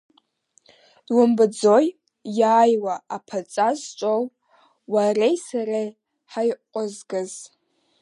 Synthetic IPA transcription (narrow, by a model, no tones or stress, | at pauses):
wʊmbɨd͡zoj | jaːjwaapʰat͡sʼazt͡ʃʷʼow | warejsaɾaj | ħajqʷʼʊzɡɨz